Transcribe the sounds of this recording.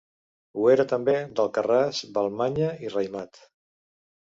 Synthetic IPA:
ueɾət̪əmbed̪əlˠkərazβəlˠmaɲəirəjmat̪

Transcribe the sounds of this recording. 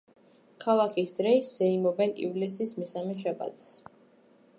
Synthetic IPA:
kʰalˠakʰisd̪ɾɛisz̥ɛimɔbɛnḭvlis̬ismɛsamɛʃ̬aba̰t̪s

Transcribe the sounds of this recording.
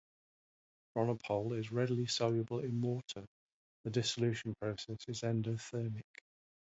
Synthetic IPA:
ɹɒnəpʰɔʊlɪzɹɛdlisɒljəbəlɪ̃nwɔˑtʰə | ðədɪsəlʉˑʃə̃npʰɹ̥əʊsɛsɪzɛ̃ndə̥θɜːmɪk

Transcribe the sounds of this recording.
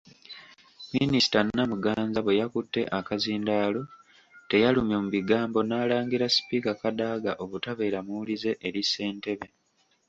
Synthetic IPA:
minisi̥tanːamuɡaːnzaβwe̞jakutːe̞̰ʔakaziːndaːlo̞ | te̞jalumjomuβiɡaːmbo̞naːlaːŋɡiɾasi̥pikakadaːɡaʔo̞βutaβe̞ːɾamulize̞ʔːɾisːe̞ːnte̞βe̞

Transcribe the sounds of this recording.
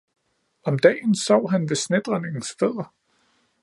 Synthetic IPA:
ɒ̽md̥ɛ̰ːnsɒʊ̰ɦænʋe̝sned̥ʁɐne̝ŋn̩sfeð̰ˠɐ

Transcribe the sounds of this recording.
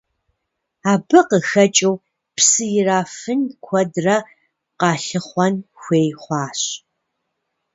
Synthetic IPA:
aːbɨqəxɐt͡ʃʼɐw | psɨjɪraːfɨnkʷʰɔdrɐ | qɑːɬɨχʷɔnxʷeːjχʷɑːɕ

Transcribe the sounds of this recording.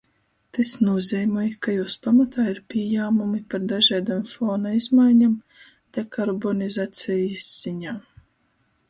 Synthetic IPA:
t̪esnuɔzʲɛjmɔjkajuːspamat̪aːiɾpʲiɛjaːmumipaɾd̪aʒaːd̪amfɔːnaizmajɲam | d̪̥ekaɾbɔnizaːt̪sʲɛjisz̥iɲaː

